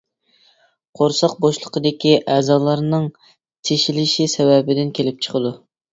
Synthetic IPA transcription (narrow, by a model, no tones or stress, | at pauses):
qʰoɾsɑq̚boʃlˠəqəd̪ɪkʲiʔɛzɑːlˠɑɾnɨŋ | t̪ʰeʃilɪʃisɛwɛbɪd̪ɪnkʲʰelɪp̚t͡ʃʰə̥qʰəd̪u